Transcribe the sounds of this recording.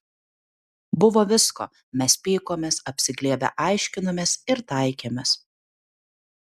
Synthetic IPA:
bʊʋoːʋʲɪsko̰ː | mʲɛspʲiːkoːmʲeːsɐpʲsʲɪɡlʲiɛbʲɛ̰ʔɑɪʃʲkʲɪnomʲeːsɪɾt̪ɑɪkʲeːmʲɛs

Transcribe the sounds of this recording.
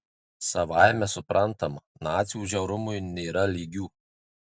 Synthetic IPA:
sɐʋɑˑɪmʲɛsʊpɾʔɐnt̪ɐmɐnɑːt̪sʲɪjuːʒʲɛʊɾʊmʊɪnʲeːɾɐlʲiːɡʲuː

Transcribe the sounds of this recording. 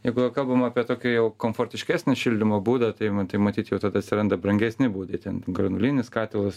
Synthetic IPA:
jɛɪɡʊʋɐkɐlˠbɐmɑːpʲiɛt̪oːkʲɪjɛʊkoːmfoːrʲt̪ʲɪʃʲkʲæːsʲnʲɪʃʲɪlʲd̪ʲɪmoːbuːd̪ɐt̪ɐɪt̪ɐɪmɐt̪ʲiːt̪jɛʊt̪ɐd̪ɐɐt̪ʲsʲɪɾɐnd̪ɐbɾɐŋʲɡʲɛsʲnʲɪbuːd̪ɐɪt̪ʲɛnɡɾɐnʊlʲiːnʲɪskɑːt̪ʲɪlˠɐs

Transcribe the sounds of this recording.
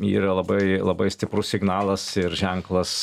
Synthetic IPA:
ḭːɾɐlˠɐbɐɪlˠɐbɐɪsʲt̪ʲɪpɾʊssʲɪɡnɑːlˠɐsɪɾʒʲɛŋklˠɐs

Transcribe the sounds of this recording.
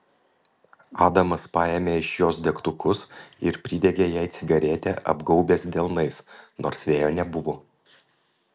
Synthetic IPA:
ɑːd̪ɐmɐspɑːjeːmʲeːɪʃjoːsd̪ʲɛkt̪ʊkʊsɪɾpʲɾʲɪd̪ʲɛɡʲejæːɪt̪sʲɪɡɐɾʲet̪ʲɛʔɐ̰bɡɒʊbʲeːsd̪ʲɛlˠnɐɪsno̰ːɾsʋʲeːjoːnʲɛbʊʋoː

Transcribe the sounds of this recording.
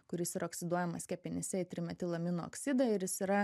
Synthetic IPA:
kʊɾʲɪsiɾɐoːksʲɪd̪uɔjɛmɐsʲkʲɛpʲɪnʲɛsʲɛɪt̪ʲɾʲɪmʲɛt̪ʲɪlˠɐmʲɪnoo̰ksʲɪd̪ɐɪɾjɪsiɾɐ

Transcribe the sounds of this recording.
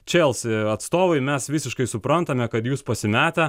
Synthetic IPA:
t͡ʃʲeːlˠsɪɐt̪st̪oːʋɐɪmʲɛsʋʲɪsʲɪʃkɐɪsʊpɾɐnt̪ɐmʲɛkɐt̪juːspɐsʲɪmʲæːt̪ʲɛ

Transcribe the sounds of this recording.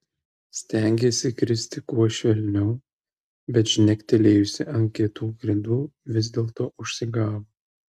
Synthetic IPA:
sʲt̪ʲæˑŋʲɡʲeːsʲɪkɾʲɪsʲt̪ʲɪkuɔʃʲʋʲɛlʲnʲɛʊ | bʲɛt̪ʒʲnʲɛkʲt̪ʲɛlʲeːjʊsʲɪʔɐŋʲkʲiɛt̪uːɡɾʲɪd̪uːʋʲɪzʲd̪ʲeːlˠt̪oːʔʊʃʲsʲɪɡɑːʋo

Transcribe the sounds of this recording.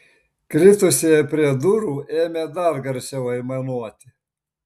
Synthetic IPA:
kɾʲɪt̪ʊsʲejɛpʲɾʲiɛd̪ʊɾuːʔeːmʲeːd̪ɐɾɡɐɾʲt͡ʃʲɛʊɐɪmɐnuɔt̪ʲɪ

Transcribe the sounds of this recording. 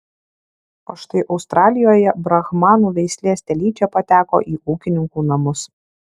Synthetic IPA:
o̰ʃt̪ɐɪʔɒʊst̪ɾɑːlʲɪjoːjɛbɾɐɣmɑːnuːʋʲɛɪsʲlʲeːsʲt̪ʲɛlʲiːt͡ʃʲɛpɐt̪ʲæːko̰ːʔiːʔuːkʲɪnʲɪŋkuːnɐmʊs

